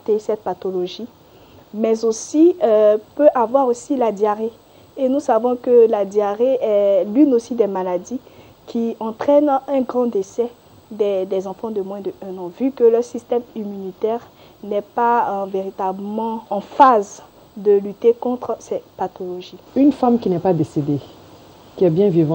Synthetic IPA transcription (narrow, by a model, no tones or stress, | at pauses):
t̪esɛt̪̚pat̪olɔʒi | mɛzosipøʔavwaʁosilad̪jaʁe | enusavɔ̃kəlad̪jaʁeɛlynosid̪ɛmalad̪i | kʲiɑ̃t̪χɛnɛ̃ɡʁɑ̃d̪esɛ | d̪ɛd̪ɛzɑ̃fɑ̃d̪əmwɛ̃d̪əɛ̃nɑ̃vykəlœʁsist̪ɛmymynit̪ɛʁ | nɛpaveʁit̪abəmɑ̃ːfaz | d̪əlyt̪ekɔ̃t̪χsɛpat̪ɔlɔʒiynfamkʲinɛpad̪esed̪e | kʲiɛbjɛ̃vivɑ̃